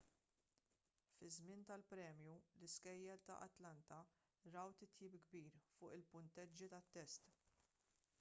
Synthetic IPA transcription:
fɪzmɪnt̪ɐlpɾɛːmjulɪskɛjːɛlt̪ɐ̰ʔɐ̰t̪lɐnt̪ɐ | ɾɐwt̪ɪt̪jiːpɡbiːɾfʊːʔɪlpʊnt̪ɛd͡ʒːit̪ɐt̪ːɛst̪

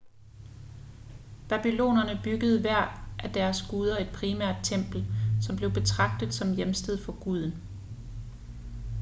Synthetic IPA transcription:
b̥æb̥ilo̝̰ːnɐnəb̥yɡ̥əð̞ˠʋæɐ̰ʔæd̥æɐsɡ̥uːð̞ˠɐe̝d̥̚pʰʁimæɐ̰d̥̚t͡sʰem̰b̥l̩sɒ̽mb̥le̝ʊb̥e̝t͡sʰʁɑ̈ɡ̥̚d̥ð̩ˠsɒ̽mjemsd̥eð̞̰ˠfɒ̽ɡ̥uð̞̰ˠn̩

